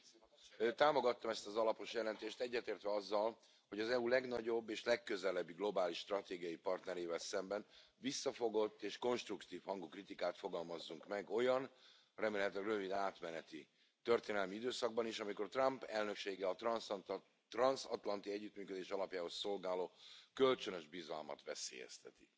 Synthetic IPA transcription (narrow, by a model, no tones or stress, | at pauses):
t̪aːmoɡɒt̪ːɒmɛst̪ɒzɒlɒpo̞ʃjɛlɛnt̪eːʃt̪ɛɟːɛt̪eːrt̪ʋɛɒzːɒl | hoɟɒzɛulɛɡnɒɟo̞bːeːʃlɛkːø̞zɛlɛbːiɡlo̞baːliʃt̪rɒt̪eːɡijɒjipɒrt̪nɛɾeːvɛlsɛmbɛn | visːɒfo̞ɡo̞t̪ːeːʃko̞nʃt̪rukt̪iːfhɒŋɡukrit̪ikaːt̪fo̞ɡɒlmɒzːuŋkmɛɡo̞jɒn | rɛmeːlɛt̪ɛrø̞vid̪aːt̪mɛnɛt̪i | t̪ø̞rt̪eːnɛlmiid̪øːsɒɡ̚bɒniːʃɒmiko̞rt̪rɒmpɛlnø̞kʃeːɡɛɒt̪rns | t̪rɒnsɒt̪lɒnt̪iɛɟːyt̪myːkø̞d̪eːʃɒlɒpjaːɦo̞sːo̞lɡaːloːkø̞lt͡ʃønøʒbizɒ̰lmɒ̰t̪ʋɛ̰sḛːjɛ̰st̪ɛ̰t̪i̥